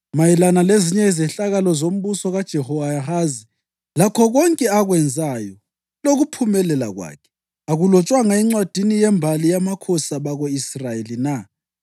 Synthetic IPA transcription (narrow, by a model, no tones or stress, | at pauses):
majilanaleziɲɛizɛɬaɣalɔzom̩βusɔɣad̥ʒ̥ʱɛhɔaɦazi | lakʰɔɣɔŋkʼɛaɣwɛnd͡zʱajɔ | loɣupʰumɛlɛla̰ɣwa̰ːkʰɛ̥ | aɣulɔt͡ʃʼwaŋaiŋ͡ǀwad̥ʱinijɛmbʱalijamakʰɔsaβaɣoisrajelina